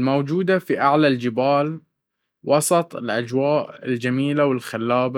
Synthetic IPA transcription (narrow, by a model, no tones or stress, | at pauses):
lmawd͡ʒuːd̪afiʔaʕlald͡ʒɪbaːl | wɑsˤɑt̪ˤɪlʔad͡ʒwaːʔɪld͡ʒamiːlawɪlxalːaːba